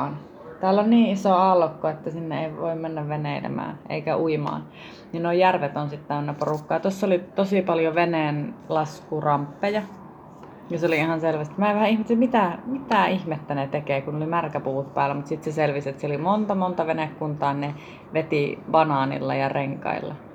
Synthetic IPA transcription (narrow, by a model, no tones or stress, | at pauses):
n | t̪æːlːonniːisoɑlkːoet̪ːæsinːeeiʋoimmenːæʋʋeneˑilḛmæ̰ːʔḛikæuimɑ̰ːn | ninoijjærʋet̪onsit̪t̪æenːæporukːɑːɑt̪osːolit̪osipɑljoʋeneˑnlɑskurɑmpːejɑ | jɑseoliihɑnselʋæst̪imæːeʋæhæihmet̪semit̪æmit̪æˑihmet̪ːænet̪ekeːkunlimærkæpuːt̪̚pæːlːæmut̪sit̪seselʋiset̪seolimont̪ɑmont̪ɑʋenekːunt̪ɑːnne | ʋet̪iʋɑnɑˑnḭlːɑ̰jɑreŋkɑ̰ḭlːɑ̰